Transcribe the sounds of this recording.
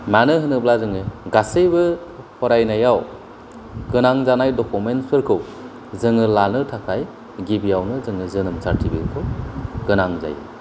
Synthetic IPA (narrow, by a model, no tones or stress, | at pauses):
manɯɦɯnɯblazɯŋɯɡasejbɯhʰɔɾajnajaw | ɡɯnaŋzanajdɔkumentsɯɾkʰɯw | zɯŋɯlanɯtʰakʰaj | ɡibijawnɯzɯŋɯzɯnɯmsaɾtʰibḭɾkʰɯwɡ̥ɯnaŋza̰jɯ̰